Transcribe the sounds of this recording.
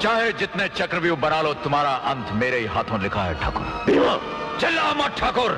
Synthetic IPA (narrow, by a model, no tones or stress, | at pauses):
t͡ʃaːɦed͡ʒɪt̪net͡ʃɐkɾəʋjũbɐnaːlot̪ʊmaːɾaʔɐ̃nt̪ʰmeːɾeiɦaːt̪ʰõlɪkʰaɦɛ̰ʈʰa̰ːkʊ̰ɾbiã | t͡ʃɐlːaːmɐʈʰaːkʊɾ